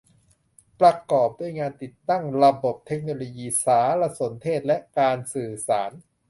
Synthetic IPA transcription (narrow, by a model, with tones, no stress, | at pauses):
pɾa˧kɔː˨˩p̚doː˧əjŋaː˧nt̪i˨˩t̪ːa˥˩ŋɾa˧bo˨˩p̚t̪ʰe˦˥k̚noː˧loː˧jiː˧saː˩˦ɾa˧so˩˦nt̪ʰeː˥˩t̪̚lɛ˦˥ʔkaː˧nsɯː˨˩saː˩˦n